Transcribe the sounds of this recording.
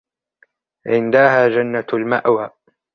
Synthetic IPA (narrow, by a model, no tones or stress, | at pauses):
ʕɪnd̪ahaːd͡ʒanːalmaʔwaː